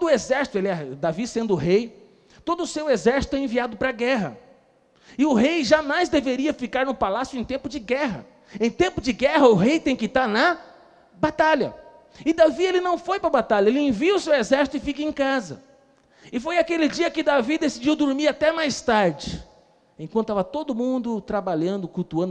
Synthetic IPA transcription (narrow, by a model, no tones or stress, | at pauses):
od̪ʊezɛɾsi̥t̪ʊelɪɛd̪avisẽnd̪ʊʊɦej | t̪od̪ʊːsewezɛɾsi̥t̪ʊɛẽviad̪ʊpɾɐɡɛɦɐ̰ | ɪʊɦejʒamajzd̪eveɾiɐfikaɾnʊpalasjʊẽj̃t̪ẽmpʊd͡ʒɪɡɛɦɐ̰ | ẽj̃t̪ẽmpʊd͡ʒɪɡɛɦɐʊɦejt̪ẽj̃kɪt̪aɾnɐ | bat̪aʎɐ̰ | ɪd̪avielɪnɐ̃w̃fojpɾɐbat̪aʎɐelɪẽviʊsewezɛɾsi̥t̪ʊɪfikɐẽkazɐ̰ | ɪfojakelɪd͡ʒiɐkɪd̪avid̪esid͡ʒiwd̪oɾmiɾat̪ɛmajst̪aɾd͡ʒɪ | ẽkw̃t̪ʊavɐt̪od̪ʊmũnd̪ʊt̪ɾabaʎɐ̃nd̪ʊkut̪uɐ̃nd̪